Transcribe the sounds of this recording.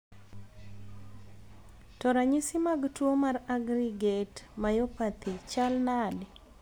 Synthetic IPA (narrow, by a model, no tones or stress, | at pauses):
tɔɾaɲisimaɡtwomaraɡɾiɡetmajopat̪ʰit͡ʃalnad